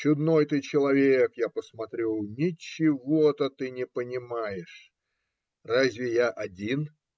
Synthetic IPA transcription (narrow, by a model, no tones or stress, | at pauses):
t͡ɕʊd̪no̞jt̪ɨt͡ɕɪlˠɐvʲekjapəsmɐt̪ɾʲelˠnʲɪt͡ɕɪvot̪ət̪ɨnʲɪpənʲɪmajɪʂ | razʲvʲɪjaʔɐdʲin